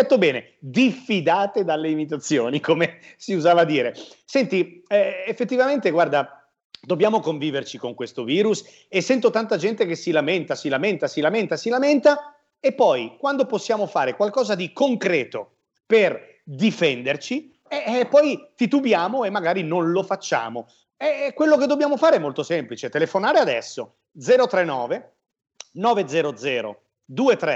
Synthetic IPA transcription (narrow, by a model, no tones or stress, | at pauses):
ɛt̪ːobɛːne | d̪ifːid̪aːt̪ed̪alːeimit̪at̪sːjo̰ːnikomesiuzaːvad̪ːiːɾesɛnt̪iɛefːet̪ːivament̪eɡward̪a | d̪objaːmokoɱviːvert͡ʃikoŋkwest̪oviːɾus | esːɛnt̪ot̪ant̪ad͡ʒɛnt̪ekesːilament̪asilament̪asilament̪asilament̪a | epːɔjkwand̪oposːjaːmofaːɾekwalkɔːzad̪ikoŋkɾɛːt̪o | per | d̪ifɛnd̪ert͡ʃi | ɛpːɔjt̪it̪ubjaːmoemːaɡaːɾinonlofat͡ʃːa̰ːmo | ɛkːwelːoked̪ːobjaːmofaːɾeɛmːolt̪osɛmplit͡ʃet̪elefonaːɾead̪ɛsːo | d̪zɛːɾot̪ɾenːɔːve | nɔːved̪zɛːɾod̪zɛːɾo̰ | d̪uːet̪ɾɛ